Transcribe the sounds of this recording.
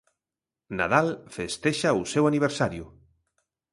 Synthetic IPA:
na̰ðalfest̪eʃausewaniβ̞eɾsaɾjʊ

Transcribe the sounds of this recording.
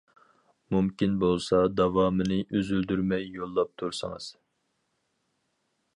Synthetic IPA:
mumkʲinbolˠsɑd̪ɑvɑːmɨnɨʔøzyld̪yɾmɛjːolˠːɑp̚t̪ʰuɾsɨŋɨ̰z̥

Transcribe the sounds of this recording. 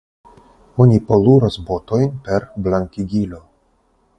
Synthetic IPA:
onʲipoluɾasbot̪ojnpe̞ɾblaŋkʲiɡʲilʲo̞

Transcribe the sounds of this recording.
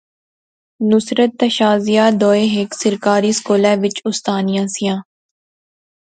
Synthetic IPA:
nʊsɾət̪ːəʃaːzijaːd̪ɔːeːɦeːksɪɾkaːɾiːskoːlɛːʋɪt͡ʃʊst̪aːnijãːsɪjãː

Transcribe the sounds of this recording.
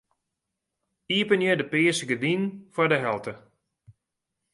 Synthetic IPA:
iəpənjɪdəpɪəsəɡədinfɔrdəɦɛlˠtʰə

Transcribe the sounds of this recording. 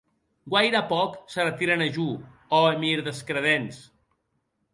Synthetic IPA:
ɡwajɾəpɔksərət̪iɾənəʒu | ɔemiɾðəskɾəðens

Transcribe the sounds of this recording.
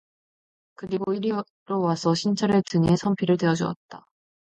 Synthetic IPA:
kɯɾiɡoiɾi | ɾowasʰʌɕʰint͡ɕʰʌɾe̞tɯŋe̞sʰʌmpʰiɾɯɭteʌd͡ʑuʌ̰t̚t͈a

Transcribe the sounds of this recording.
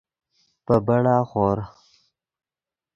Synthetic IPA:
pəbaɽaxoːɾ

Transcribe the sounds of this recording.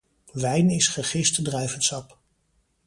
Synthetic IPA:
ʋɛjnɪsχəχɪstdrɛɥvənsɑp

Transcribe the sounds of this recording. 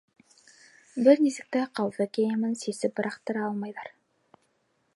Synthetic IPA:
bɘɾnisɘ̆k̚t̪æqɑwðɤkʲejɘmɘnsisɘp̚bɤ̆ɾɑqt̪ɤ̆ɾɑɑlˠmɑjðɑɾ

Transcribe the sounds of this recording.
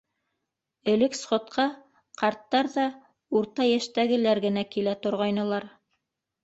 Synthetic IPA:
ɘ̆lɘksχŏt̪qʰɑ | qɑɾt̪ːɑɾðɑ | uɾt̪ɑjæʃt̪æɡɘ̆læɾɡɘ̆nækilæt̪ŏɾʁɑjnɤ̆lˠɑɾ

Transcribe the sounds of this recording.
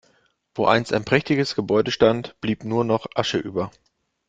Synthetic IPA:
v̥oːʔa̰ɪnsta̰ɪnpʁ̥ɛçtɪɡəsɡ̥əbɔʏdəʃtantb̥liːpnuːɐnɔχʔaʃəʔyːbɐ

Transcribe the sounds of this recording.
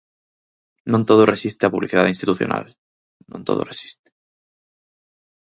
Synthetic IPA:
nõnt̪oðoresist̪eapuβliθiðaðinst̪it̪uθjo̰nʔa̰l | nõnt̪o̰ðo̰resi̥st̪e̥

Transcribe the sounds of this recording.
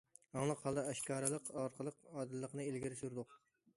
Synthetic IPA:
ɑŋlˠəqhɑlˠd̪ɑæʃkɑːɾɨlˠəqɑɾqʰəlˠəqɑːd̪ɨlːəqnɨelɡʲiɾɪsuɾd̪ʊq

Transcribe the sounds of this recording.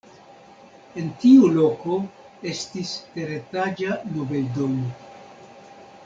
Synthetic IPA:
e̞ntiulo̞ko̞ | e̞stiste̞ɾetad͡ʒanobeldow

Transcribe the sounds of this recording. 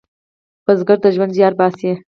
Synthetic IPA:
b̥azɡaɾd̪əʒwand̪zjɑːɾbɑːsje

